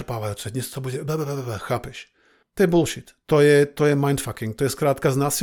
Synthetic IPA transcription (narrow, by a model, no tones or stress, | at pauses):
paːʋajuːt͡sɛdɲɛst̪ɔbuɟɛbɛbɛbɛbɛbɛxaːpɛʃ | t̪ɔjɛbulʃit̪ːɔjɛt̪ɔjɛmajnt̪fakiŋkt̪ɔjɛskɾaːt̪kaznaːsi